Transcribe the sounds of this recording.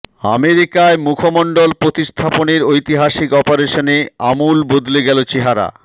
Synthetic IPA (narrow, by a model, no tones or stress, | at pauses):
a̰meɾikaemukʰomɔɳɖolpɾot̪ist̪ʰaponeɾojt̪iɦaʃikɔpoɾeʃoneamulbod̪leɡɛlot͡ɕeɦaɾa̰